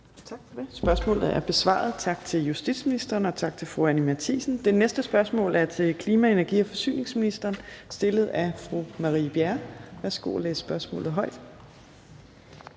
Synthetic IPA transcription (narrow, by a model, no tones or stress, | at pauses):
t͡sʰɑ̈ɡ̥fɒd̥e̝sb̥ɶɐsmɔ̰̽ːlð̩ˠæɐb̥e̝sʋɑ̰̈ːð̞̩ˠt͡sʰɑ̈ɡ̥̚t͡sʰe̝ljusd̥id̥sminisd̥ɐːnɒ̽t͡sʰɑ̈ɡ̥̚t͡sʰe̝lfʁuænimæɐt͡sʰḭːsn̩d̥e̝nesd̥əsb̥ɶɐsmɔ̰̽ːlʔæɐt͡sʰe̝lkʰliːmæe̝næɐɡ̥ḭːɒ̽fɒ̽sy̰ːne̝ŋsminisd̥ɐːnsd̥e̝ləð̞̩ˠæfʁumɑ̈ʁḭːb̥jæɐʋæɐsɡ̥o̝̰lḛːssb̥ɶɐsmɔ̰̽ːlð̩ˠɦɒ̽ɪ̰d̥